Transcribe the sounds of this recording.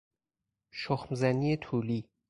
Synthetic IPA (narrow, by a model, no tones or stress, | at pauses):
ʃoxmzæniːet̪ʰuːliː